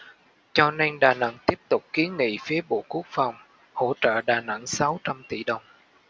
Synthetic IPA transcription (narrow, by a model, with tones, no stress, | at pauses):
t͡ɕɔ˧na˧nɗaː˨˩na̰˧˥ŋt̪i˦˥əp̚t̪ʊ˨˩k͡p̚ki˨˦ənŋḭ˧˨fi˨˦əɓo̰˧˨ku˦˥ək̚fa˨˩wŋ͡m | ho̰˧˥t͡ɕə̰ː˧˨ɗaː˨˩na̰˧˥ŋsa˨˦wt͡ɕa˧mt̪ḭ˧˩ɗə˨˩wŋ͡m